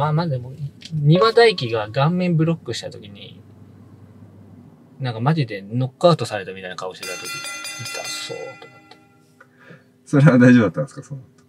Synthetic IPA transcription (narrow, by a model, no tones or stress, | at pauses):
maːmad̪e̞mo̞ɲ̟iβad̪aikʲiɡaɡãmːẽ̞mbɯ̟ɾo̞kːɯɕi̥t̪at̪o̞kʲiɲ̟ḭ | nãŋkamaʑid̪e̞no̞kːɯaɯ̟t̪o̞saɾe̞t̪amʲit̪ajnakao̞ɕiet̪at̪okʲiit̪a̰so̰ːt̪o̞mot̪ːe̥ | so̞ɾeβad̪aiʑo̞bɯd̪at̪ːãneskaso